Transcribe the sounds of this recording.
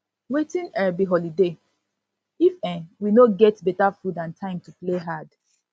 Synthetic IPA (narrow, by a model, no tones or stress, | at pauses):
wetĩnɛbiɦɔlide | ifɛ̃winoɡɛtbɛtafudãntʰãɪ̃mtupleɦad̥